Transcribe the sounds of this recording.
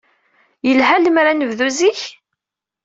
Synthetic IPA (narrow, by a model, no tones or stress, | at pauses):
jəlɦæləmɾanəvðuziç